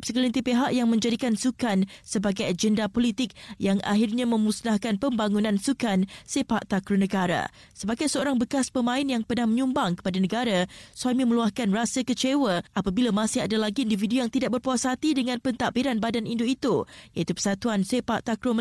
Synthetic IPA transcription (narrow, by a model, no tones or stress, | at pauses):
p̚səkəlint̪ipeɦaʔjaŋmə̃ɲd͡ʒadikansukansəbaɡajad͡ʒəndapolit̪ɪk̚jaŋʔa̰ɦirɲamə̃musnahkanpəmbaŋunãnsukansepaʔt̪akɾonəɡaɾa̰ | səbaɡajsəoɾaŋbəkaspəmãɪnjaŋpənahməɲumbaŋkə̥padanəɡaɾasuwamĩmə̃luahkanrasəkət͡ʃewəʔapabilamãsɪadalaɡiːndividujaŋt̪idaʔ̚bərpuasat̪idəŋãnpənt̪aʔbiɾanbadanʔindoit̪ujait̪upə̥sat̪uansepaʔt̪akɾomə